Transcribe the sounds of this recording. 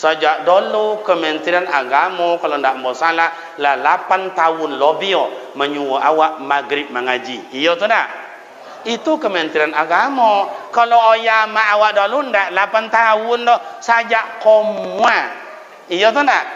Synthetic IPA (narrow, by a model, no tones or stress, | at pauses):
sad͡ʒadolukəmentiɾenaɡamɔkolondam̩bosala | lalapantawunlobijɔmaɲuwoʔawamaɡɾib̚maŋad͡ʒiijotunda | itukəmentiɾenaɡamɔkaloojamaːwadolundalapantawundɔsad͡ʒakomwʷa | ijotunda